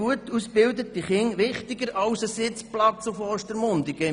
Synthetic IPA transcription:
uət̪usbɪld̪ət̪iχɪŋʋɪχt̪iɡəɾɑʊsəsɪt͡splɑt͡sufɔːʃtəɾmʊnd̪iɡə

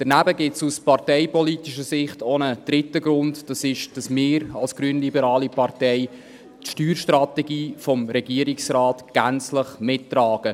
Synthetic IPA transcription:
d̥ɛnæbəɡɪtsuspɑrtɛɪpɔlitiʃəsɪχtʰɔnəd̥ɾɪtːəɡɾʊndd̥ɑsɪʃd̥ɑsmɪːɾɑlsɡ̥ɾyənlibəɾɑːlipɑrtɛɪ | tʃtyːɾʃtrɑtɛɡiːfɔmɾɛɡiəɾiksraːtɡ̥ænt͡sləχmɪtːɾɑːɡ̥ə

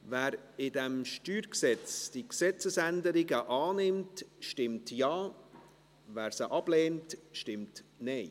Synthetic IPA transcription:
væːɾɪdɛmʃtyːɾksɛt͡sd̥iksɛt͡səsændəɾɪɡəʔɑːnɪmtʃtɪmtjɑː | væːɾsəʔɑb̥leːntʃtɪmtnɛɪ

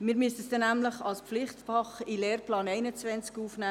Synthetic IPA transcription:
mɪːɾmyəsəsd̥ɛnːæmləχɑlspflɪχtfɑχileːrplɑːnɛɪnət͡svɛnt͡skuːfnæː

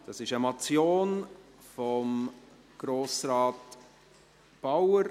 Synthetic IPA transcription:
d̥ɑsɪʃəmat͡sjoːn | fɔm | ɡ̥ɾoːsɾɑːt | b̥awəɾ

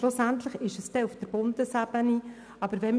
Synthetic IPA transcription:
lʊsænt̪ləχɪʃəst̪ɛufd̥əɾb̥ʊnd̪əsæb̥əni | ɑbəɾʋɛm

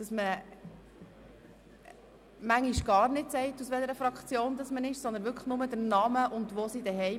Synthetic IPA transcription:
d̥ɑsmə | mæŋːiʃɡ̥ɑːɾnɪtsɛɪtusʋɛləɾəfɾɑkt͡sjoːnd̥̪ɑsmənɪʃsɔndənʋʏɾkʰəχnʊmədəɾnɑməʔʊndʋoːsidɛɦɛɪ

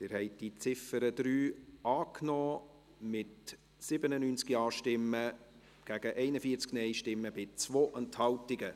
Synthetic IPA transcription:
dɪɾhɛɪd̥it͡sɪfəɾədɾyːɑːknɔː | mɪt | sɪbənənyːnt͡skiɑːʃtɪmːə | ɡ̥æɡ̥əʔɛɪnəfiːət͡sknɛɪʃtɪmːəbɪt͡svoːʔɛnthɑltɪɡə

